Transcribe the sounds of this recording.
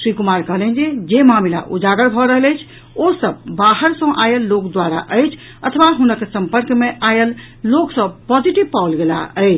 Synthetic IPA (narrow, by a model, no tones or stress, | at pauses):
sɾikumaɾkəɦlɛnd͡ʒed͡ʒemamila̰ʔud͡ʒaɡəɾbʱɔɾəɦələjt͡ʃʰ | osəbbaɦəɾsə̃ʔajəlːokd̪waɾa̰ʔəjt͡ʃʰ | ət̪ʰʋaɦunəksəmpəɾkmeʔajəlː | oksəbpɔd͡ʒiʈibpaulɡela̰əɪt͡ʃʰ